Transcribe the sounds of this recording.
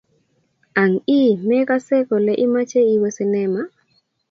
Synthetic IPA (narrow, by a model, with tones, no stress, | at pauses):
a˨ŋi˦mɛ˦ka˦sɛ˦ko˨lɛ˨ʔi˦ma˦t͡ʃe˦i˦wo˦si˨nɛ˦ma˦